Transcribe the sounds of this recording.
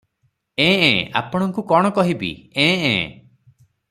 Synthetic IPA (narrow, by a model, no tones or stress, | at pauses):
ẽːḛ̃a̰pɔɽ̃ɔŋkukɔɽ̃ɔkɔɦibḭẽḛ̃ː